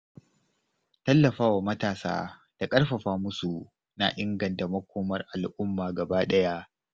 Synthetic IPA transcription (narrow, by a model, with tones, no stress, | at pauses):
tɐ˦lːɐ˨ɸaː˦waː˨mɐ˦taː˨sa̰ː˦d̥a˨kʼɐ˦rɸɐ˨ɸaː˦mʊ˦su˨ | na˨ʔɪ˦ŋɡɐ˨nta˨mɐ˦kʷoː˦mɐ˦rʔa˨lʔʊ˦mːaː˨ɡɐ˨baː˦ɗɐ˦ja˦ʔ